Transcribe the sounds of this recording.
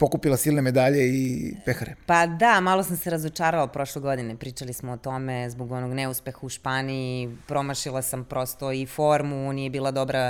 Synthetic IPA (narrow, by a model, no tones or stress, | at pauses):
po̞kupilˠasiːlˠneme̞d̪aʎeipexɾepad̪amalˠo̞samseɾazot͡ʃaːɾaopɾo̞ʃlˠeɡo̞d̪inepɾiːt͡ʃalismoot̪o̞mezboɡo̞noɡneuspe̞xauʃpaːniipɾo̞maʃilˠasampɾo̞st̪o̞ifo̞ɾmunijebiːlˠad̪o̞bɾa